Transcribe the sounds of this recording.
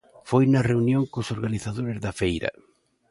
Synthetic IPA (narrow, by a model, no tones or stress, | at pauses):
fojnɐreunjoŋkosoɾɣaniθaðoɾezðɐfejɾɐ̰